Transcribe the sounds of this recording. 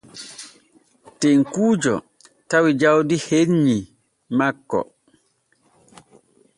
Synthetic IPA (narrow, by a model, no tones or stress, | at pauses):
teŋkuːd͡ʒɔ̰ | tawid͡ʒawdiheɲːi | makːɔ̰